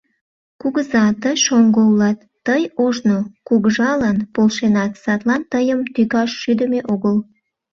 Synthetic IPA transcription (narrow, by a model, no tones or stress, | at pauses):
kuɣəzɑt̪əjʃoŋɡoulɑt̪ːəjoʒnokuɣəʒɑlɑnpolʃenɑt̪sɑt̪lɑnt̪əjəmt̪yɣɑʃːyd̪əmeʔoɣəl